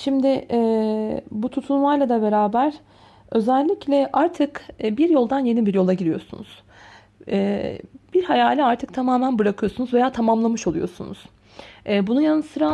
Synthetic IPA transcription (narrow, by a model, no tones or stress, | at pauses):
ʃimd̪ɪɛ | but̪ʰut̪ʰulˠmajlˠad̪abe̞ɾaːbæɾ̥ | ø̞zælʲːiclʲɛʔaɾt̪ʰɯkːbiɾjo̞lˠd̪anje̞nibiɾjo̞lˠaɟiɾijo̞sunṵz̥ | ɛːb̥iɾhajaːlʲɛaɾt̪ʰɯk̚t̪ʰamaːmænbɯɾakʰɯjo̞sunuzve̞jaːt̪ʰamamlˠamɯʃo̞lˠujo̞̰sunṵz̥ | ɛːbunujanɯsɯɾa